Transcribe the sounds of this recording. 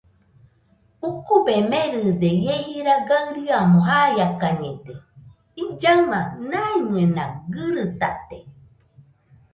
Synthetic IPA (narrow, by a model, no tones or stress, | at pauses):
ukubemeɾɨd̪ejehiɾaɡaɨɾɯamõɦajakaɲed̪e | id͡ʒamanaimɨenaɡɨɾɨt̪at̪e